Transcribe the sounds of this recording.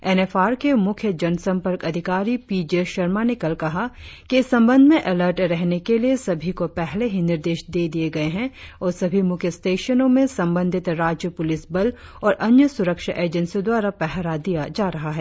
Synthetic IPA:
ɛnɛfaːɾkemʊkʰjəd͡ʒɐnsɐ̃mpəɾkɐd̪ʱɪkaːɾipiːd͡ʒeʃɐɾmaːnɪkəlkɐɦakeɪsːɐ̃mbə̃nd̪ʱmẽʔɐləɾʈɾɛɦnekeliesɐbʱikopɛɦleɦinɪɾd̪eːʃd̪eːd̪ieɡɐeɦɛ̃ɔːɾsɐbʱimʊkʰjəsʈeːʃənõmẽsɐ̃mbə̃nd̪ʱɪt̪ɾaːd͡ʒjəpʊlɪsbɐlɔːɾʔɐnjəsʊɾəkʃaʔeːd͡ʒə̃nsid̪waːɾapɛɦɾad̪ijad͡ʒaːɾɐɦaɦɛː

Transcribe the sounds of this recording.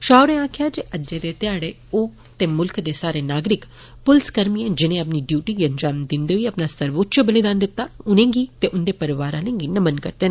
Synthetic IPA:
ʃaːʊɾẽːãːkʰjaːd͡ʒeʔəd͡ʒeːd̪eːt̪ɪjaːɽeː | oː | t̪eːmʊlkd̪eːsaːɾeːnaːɡɾɪk | pʊlskəɾmiːẽːd͡ʒɪnẽːəpniːɖjuːʈiːɡiːəɲd͡ʒaːmd̪ɪnd̪eːɦʊiəpnaːsəɾʋoːt̪t͡ʃəbəlid̪aːnd̪ɪt̪ːaːʊnẽːɡiːt̪eːʔʊnd̪eːpəɾɪʋaːɾãːlẽŋɡiːnəmənkə̰ɾt̪eːnẽː

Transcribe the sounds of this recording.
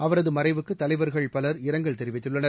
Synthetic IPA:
ɐʋɐɾɐðɯmɐɾɐɪʋɯkːɯt̪ːɐlɐɪʋɐɾɣɐɭpɐlɐɾɪɾɐŋɡɐɭt̪ɛɾɪʋɪt̪ːɯɭːɐnɐɾ

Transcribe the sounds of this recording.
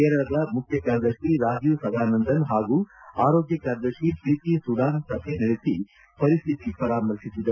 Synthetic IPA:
kɛːɾɐɭɐd̪ɐmukʰjɐkaːɾɐd̪ɐʂiɾaːd͡ʒjusɐd̪ʱaːnɐnd̪ɐnɦaːɡuːaːɾoːɡjɐkaːɾɐd̪ɐɾʂipɾit̪isuɽaːnsɐpʰenɐɽesi | pɐɾist̪ʰit̪ipɐɾaːmɐɾsisid̪ɐ

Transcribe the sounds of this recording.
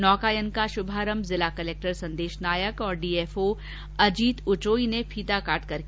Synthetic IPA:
nɔːkaːjənkaʃʊbʱaːɾəmzɪlakɐleːk̚ʈəɾsɐ̃nd̪eːʃnaːjəkɔːɾɖiːeːfoː | ɐd͡ʒiːt̪ʊt͡ʃoːinepʰiːt̪akaːʈkɐɾ

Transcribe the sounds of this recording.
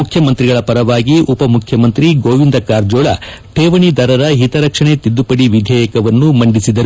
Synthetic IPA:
ukʰjɐmɐnt̪ɾiɡɐɭɐpɐɾɐʋaːɡiʔupɐmukʰjɐmɐnt̪ɾiɡoːʋind̪ɐkaːɾd͡ʒoːɭɐ | ʈʰeːʋɐɳid̪ʱɐɾɐɾɐɦit̪ɐɾɐkʂɐɳet̪id̪ːupɐɽiʋid̪ʱɛːjɐkɐʋɐnːumɐɳɖisid̪ɐɾu

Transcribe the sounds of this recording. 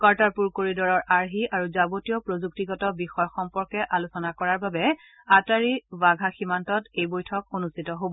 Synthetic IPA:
kaɹtaɹpuɹkoɹidɔɹɔɹʔaɹɦiʔaɹuzaɡotijɔpɹozuk̚tiɡɔtɔbixɔjɔxɔmpɔɹkɛʔalusɔnakɔɹaɹbabɛ | ataɹibaɡʱaximantɔtejbojtʰɔkonustitɔɦobɔ

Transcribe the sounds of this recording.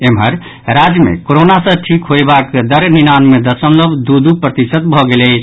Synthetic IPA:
emɦəɾ | ɾad͡ʒjəmḛkoɾonasə̃ʈʰikɦojbakd̪əɾninanmed̪əsəmləbʱd̪ud̪upɾət̪isət̪bʱɔɡelɛ

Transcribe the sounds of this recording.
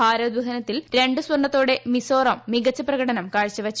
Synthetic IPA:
aːɾɐd̪ʋɐɦɐnɐt̪ːilɾe̞ɳɖɨswɐɳɖɐt̪ːoːɽe̞miso̞ːrɐmːiɡɐt͡ɕːɐprɐɣɐɽɐnɐmkaːɻt͡ɕːɐʋɐt͡ɕː

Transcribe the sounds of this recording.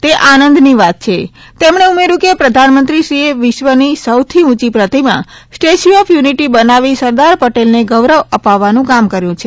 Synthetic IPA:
t̪eʔanənd̪niʋat̪̚t͡ʃʰe | t̪emɳ̃eumeɾũkepɾəd̪ʱanmənt̪ɾiʃɾieʋɪʃʋənisəwt̪ʰiũt͡ʃipɾət̪imã̰sʈeʃiɔfjuniʈibənaʋisəɾd̪aɾpəʈelneɡəʋɾəʋəpaʋːanũkamkəɾjũt͡ʃʰe

